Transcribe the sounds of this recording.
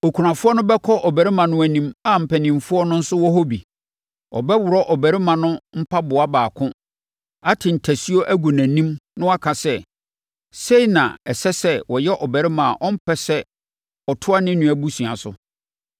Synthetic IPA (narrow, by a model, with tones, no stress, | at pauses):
o˨kʰu˨ɾã˨fʊ˦ɔ˦nʊ̃˦bɛ˦kʰɔ˦ʔɔ˨bæ˨ɾɪ˦mã˨nʊ̃˦æ˨nĩ˦ma˦m̩˨pʰæ˨nɪ̃˨mfʊ˦ɔ˦nʊ̃˦n̩˦sʊ˦wɔ˦ɦo˦bḭ˨ | ɔ̰˨bɛ˦wʊ˨ɾɔ˦ʔɔ˨bæ˨ɾɪ˦mã˨nʊ̃˦m̩˦pʰa˦bʊ˨a˦baː˨kʰʊ̃˦ | a˦tʰɪ̃˨n̩˨tʰæ˨si˦o˦ʔæ˦ɡu˨næ̃˨nĩ˦mnʊ̃˦a˦kʰã˨sɛ˦ | se˦i˨nã̰˨ɛ˨sɛ˦sɛ˦wɔ˨jɛ˦ʔɔ˨bæ˨ɾɪ˦mã˨ʔɔ̃˦m̩˦pʰɛ˦sɛ˦ | ɔ˨tʰʊ˦a˦nɪ̃˦nũ˨æ˨bu˦sũ˨a̰˨sʊ̰˨